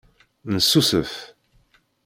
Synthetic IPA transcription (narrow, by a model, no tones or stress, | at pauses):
nəsːusəf